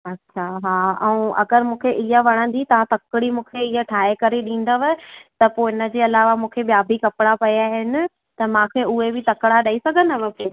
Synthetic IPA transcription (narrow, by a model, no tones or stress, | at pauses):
ɐtːɕʰaɦaːɛ̃ũɐɡəɾmũːkʰeʔɪɦəʋɐɽ̃ə̃nd̪it̪ɐʋãt̪ɐkɪɽimũːkʰeɪɦəʈʰaːekɐɾeɗĩːn̆d̪əʋt̪ɐpoːɪnə̆d͡ʑeːɐlaːʋamũːkʰeɓijaːbʱikɐpɪɽapɐjaːɦɪnɪ̆ | t̪ɐmãkʰeʊɦebɪt̪ɐkɽaɗaisɐɡʱənɪəʋɐkeː